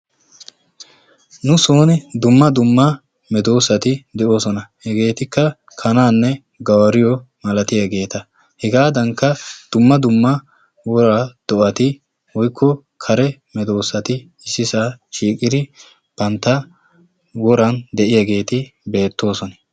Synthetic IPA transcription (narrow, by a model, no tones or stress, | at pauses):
nʊsoːnɪd̪ʊmːɐd̪ʊmːɐ | mɛd̪o̞ːsɐt̪ɪd̪ɛʔo̞ːsɔnɐhɛɡe̞ːt̪ɪkːɐ | kʰɐnaːnːɛ | ɡɐwɐɾɪjɔ | mɐlɐt̪ɪjɐɡe̞ːt̪ɐ | hɛɡaːd̪ɐŋkːɐd̪̥ʊmːɐd̪ʊmːɐ | wɔɾaːd̪̥ɔʔɐt̪ɪ | wɔjkʰːɔ | kʰɐɾɛmɛd̪o̞ːsɐt̪ɪ | ɪsːɪsaːʃiːkʼɪd̪ɪ | pɐnt̪ːɐ | wɔɾɐnd̪ɛʔɪjɐɡe̞ːt̪ɪbe̞ːt̪ːo̞ːsɔnɐ